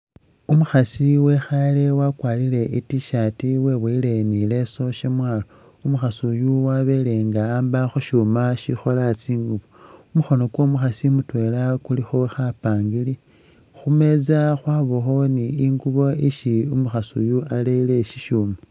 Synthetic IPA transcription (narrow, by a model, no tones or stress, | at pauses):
umuxasiwe̞xale̞wakwaːlile̞itiʃatiweβweile̞nile̞so̞ʃemwaːlo | umuxasujuwaβe̞le̞ŋɡaːmbaxuʃuːmaʃixo̞lat͡siːŋɡuβoumuxo̞no̞kwo̞ːmuxasimutwe̞lakulixoxapaːŋɡili | xume̞d͡zaxwaːβoxo̞niiŋɡuβo̞iʃiumuxasṵjualeileʃiʃuːma